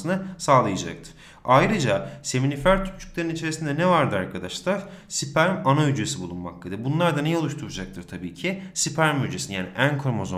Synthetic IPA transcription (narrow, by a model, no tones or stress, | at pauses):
sɯnɯsaːlˠɯjad͡ʒa̰k̚t̪ʰɯ̥ɾ̥ | ajɾɯd͡ʒase̞minifæɾt̪ʰy̥t͡ʃʰy̥cʲlʲe̞ɾinit͡ʃʰe̞ɾisind̪ɛnɛvaɾd̪ɯaɾkʰad̪aʃlˠaɾsipæɾmanayd͡ʒe̞sibulˠunma̰klad̪ibunlˠaɾd̪anejɛolˠuʃt̪ʰuɾad͡ʒak̚t̪ʰɯɾ̥t̪ʰabiːcʰisipʰæɾmyd͡ʒesinjaːniʔænkʰɾomozo